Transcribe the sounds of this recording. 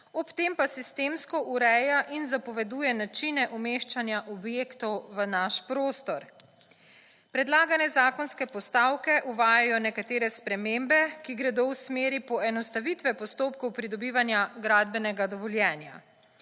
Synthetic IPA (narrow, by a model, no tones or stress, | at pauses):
ɔpt̪empasist̪eːmskɔʔuɾɛjaʔinzapɔʋɛd̪uːjɛnat͡ʃinɛʔumeːʃt͡ʃanjaʔɔbjekt̪ɔwʋənaʃpɾoːst̪ɔɾ | pɾɛd̪laːɡanɛzaːkɔnskɛpɔst̪aːwkɛʔuʋaːjajɔnɛkat̪eːɾɛspɾɛmembɛkiɡɾɛd̪owsmeːɾipɔɛnɔst̪aʋit̪ʋɛpɔst̪oːpkɔwpɾid̪ɔbiːʋanjaɡɾaːd̪̚bɛnɛɡad̪ɔʋɔljɛːnja̰